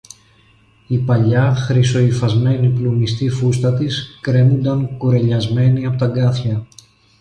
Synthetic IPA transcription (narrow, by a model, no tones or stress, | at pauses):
ipɐʎɐxɾiso̞ifɐzme̞niplumist̪ifust̪ɐt̪iskɾe̞nund̪ɐŋkuɾe̞ʎɐzme̞niɐpo̞t̪ɐɡɐθçɐ